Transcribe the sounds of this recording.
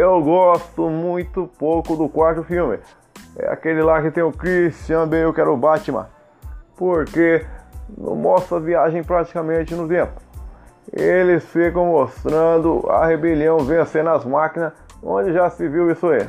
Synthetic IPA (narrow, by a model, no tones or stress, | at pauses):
ewɡɔst̪ʊmũj̃t̪ʊpowkʊd̪ʊkwaɾt̪ʊfiwmɪ̰ | ɛ̰a̰kelɪlakɪt̪ẽj̃ʊkɾist͡ʃiɐ̃b̪ejewkɛɾʊbat͡ʃɪmɐ̰̃ | poɾkenɐ̰̃mɔst̪ɾɐviaʒẽj̃pɾat͡ʃi̥kɐmẽt͡ʃɪnʊt̪ẽpʊ̥ | elɪsfikɐ̃most̪ɾɐ̃d̪ʊɐ̰hebeliɐ̃w̃vẽj̃seɾnɐzmakinɐs | õ̰d͡ʒɪʒasɪviwisʊaḭ